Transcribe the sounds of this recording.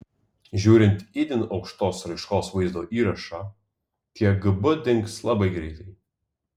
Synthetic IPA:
ʒʲuːɾʲɪnʲt̪ʲid̪ʲɪnɒʊkʃt̪oːsɾɐɪʃkoːsʋɐɪzd̪oːʔiːɾɐʃɑː | k̪ʲiɛɡɨbʊd̪ʲɪŋkslˠɑbɐɪɡɾʲɛɪt̪ɐɪ

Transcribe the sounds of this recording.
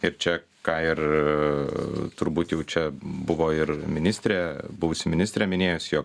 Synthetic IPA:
ɪɾt͡ʃʲɛ | kɑːɪɾ | t̪ʊɾbuːt̪jɛʊt͡ʃʲɛbʊʋoːɪɾmʲɪnʲɪsʲt̪ʲɾʲeːbʊʋʊsʲɪmʲɪnʲɪsʲt̪ʲɾʲeːmʲɪnʲeːjʊsʲjoːk

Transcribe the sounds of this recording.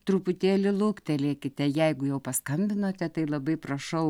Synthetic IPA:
t̪ɾʊpʊt̪ʲeːlʲɪlˠʊkt̪ʲɛlʲeːkʲɪt̪ʲɛjɛɪɡʊjɛʊpɐskɐmʲbʲɪnoːt̪ʲɛt̪ɐɪlˠɐbɐɪprɐʃɐʊ

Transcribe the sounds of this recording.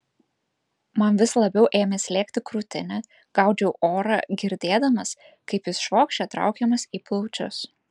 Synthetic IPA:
mɐnʋʲɪslˠɐbʲɛʊʔeːmʲesʲlʲeːkt̪ʲɪkɾʊt̪ʲɪ̰nʲɛ | ɡ̥ɑˑʊd͡ʒʲɛʊʔoːɾɑ̰ɡʲɪɾʲd̪ʲeːd̪ɐmɐs | kɐɪpjɪsʃʋoːkʃʲt͡ʃʲɛt̪ɾɑ̰ʊkʲɛmɐsiːplˠɔʊt͡ʃʲʊ̰s

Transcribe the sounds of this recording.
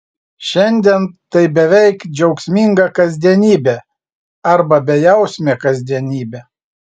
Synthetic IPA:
ʃʲɛnʲd̪ʲɛnt̪ɐɪbʲɛʋʲɛɪkd͡ʒʲɛʊksʲmʲiŋɡɐkɐzʲd̪ʲiɛnʲiːbʲe | ɐɾbɐbʲɛjɛʊsʲmʲeːkɐzʲd̪ʲiɛnʲiːbʲe

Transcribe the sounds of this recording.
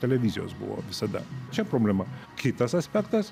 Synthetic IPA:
t̪ʲɛlʲɛʋʲɪzʲɪjo̰ːsbʊ̰ʋo̰ʋʲɪsɐd̪ɐ̰t͡ʃʲɛpɾoːbʲlʲɛmɐkʲɪt̪ɐsɐsʲpʲɛkt̪ɐs

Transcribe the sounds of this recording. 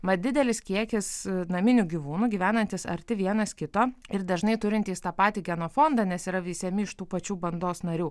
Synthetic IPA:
mɐd̪ʲɪd̪ʲɛlʲɪskʲiɛkʲɪsnɐmʲɪnʲuːɡʲiʋuːnuːɡʲiːʋʲæːnɐnʲt̪ʲɪsɐ̰ɾʲt̪ʲɪʋʲiɛnɐskʲɪt̪oːɪɾd̪ɐʒnɐɪt̪ʊɾʲɪnt̪ʲiːst̪ɑːpɑːt̪ʲiːɡʲɛnoːfoːnd̪ɑnʲɛsiːɾɐʋʲiːsʲɛmʲɪɪʃt̪uːpɐt͡ʃʲuːbɐnd̪oːsnɐɾʲuː

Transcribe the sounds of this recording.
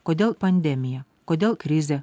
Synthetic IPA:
koːd̪ʲeːlˠpɐnʲd̪ʲɛmʲɪjɛ | koːd̪ʲeːlˠkɾʲɪzʲɛ

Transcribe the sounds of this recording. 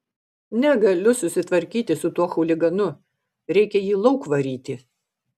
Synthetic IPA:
nʲɛɡɐlʲʊsʊsʲɪt̪ʋɐɾʲkʲiːt̪ʲɪsʊt̪uɔxɔʊlʲɪɡɐnʊ | ɾʲɛɪkʲɛjiːlˠɒʊkʋɐɾʲiːt̪ʲɪ

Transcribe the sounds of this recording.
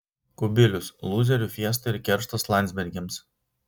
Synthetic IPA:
kʊbʲɪlʲʊslˠuːzʲɛɾʲuˑfʲiɛs̬t̪ɐɪɾkʲɛɾʃt̪ɐslˠɑˑnʲsʲbʲɛɾʲɡʲɛms

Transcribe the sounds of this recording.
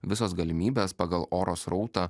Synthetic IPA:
ʋʲɪsoːsɡɐlʲɪmʲiːbʲeːspɑːɡɐlˠʔoːɾoːsɾɒʊt̪ɑː

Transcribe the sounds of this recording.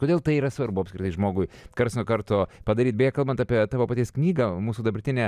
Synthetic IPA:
koːd̪ʲeːlˠt̪ɐɪiːɾɐsʋɐɾbʊɐpsʲkɾʲɪt̪ɐɪʒmoːɡʊɪkɐɾsʲnʲʊkɐɾt̪ʊpɐd̪ɐɾʲiːt̪̚bʲɛjɛkɐlˠbɐnt̪ɑːpʲiɛt̪ɑːʋoːpɐt̪ʲiɛsknʲiːɡɐmuːsuːd̪ɐbɐɾʲt̪ʲɪnʲɛː

